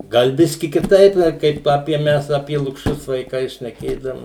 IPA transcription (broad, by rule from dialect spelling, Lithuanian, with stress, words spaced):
ˈɡɐlˠ ˈbʲɪsʲkʲɪ kʲɪˈtɐɪp ɐ ˈkɐɪp ˈɑːpʲiɛ ˈmʲɛs ɐpʲiɛ lˠʊkˈʃʲʊs ʋɐɪˈkɐɪ ʃʲnʲɛˈkʲeːdɐʋoːm